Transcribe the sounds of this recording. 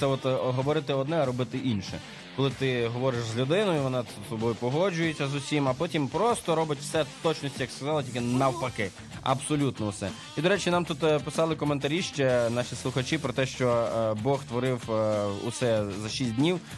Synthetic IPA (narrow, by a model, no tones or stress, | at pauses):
sɛɔt̪ɦɔʋɔɾɪt̪ɪɔd̪nɛɐɾɔbɪt̪ɪʔinʃɛ̰ | kɔlˠɪt̪ɪɦɔʋɔɾɪʃzlʲʊd̪ɪnɔjʊiʋɔnɑsɔbɔjʊpɔɦɔd͡ʒʊjʊtʲt͡sʲːɐzʊsʲimɐpɔtʲimpɾɔst̪ɔɾɔbɪtʲwsɛt̪ɔt͡ʃnɔsʲtʲijɐkskɐzɑlˠɪtʲilʲkʲɪnɐwpɐkɪ | ɐ̰bsɔlʲut̪nɔusɛ̰ | id̪ɔɾɛt͡ʃinɑmt̪ut̪pɪsɑlˠɪkɔment̪ɐɾʲiʃt͡ʃɛnɑʃislˠʊxɐt͡ʃipɾɔt̪ɛʃt͡ʃɔbɔxst̪ʋɔɾɪwʊ̰sɛzɐʃisʲt̚ʲdʲnʲiw